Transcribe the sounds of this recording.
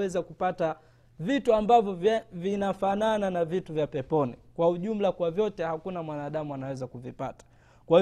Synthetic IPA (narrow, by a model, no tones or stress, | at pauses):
ɛzakupata | vituambavjɔvinafanananavituvjapɛpɔnikwauʄum̩lakwavjɔtɛhakunamwanaːɗamuanawɛzakuvipa̰tḁ | kwa